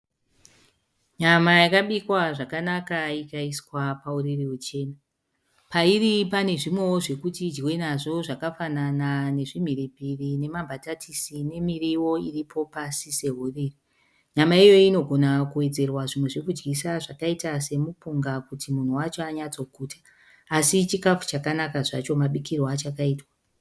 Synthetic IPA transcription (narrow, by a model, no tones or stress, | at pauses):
ɲamajakaɓikwaʐakanakaikaiswapauririut͡ʃe̞ːna | pairipane̞ʐimwe̞woʐe̞kutid͡ʒɡwenaʐo̞ʐakafananane̞ʐim̤iɾipirine̞mambʱatatʰisine̞miriwo̞iripʰo̞pasise̞ɦuriri | ɲamaijo̞ino̞ɡʱo̞nakuwe̞d͡ze̞rwaʐimwe̞ʐe̞kud͡ʒɡisaʐakaitase̞mupuŋɡakutʰimun̤uwat͡ʃo̞aɲat͡so̞kuːtʰḁː | sit͡ʃikafu̥t͡ʃakanakaʐat͡ʃo̞maɓikirwat͡ʃakaiːtwa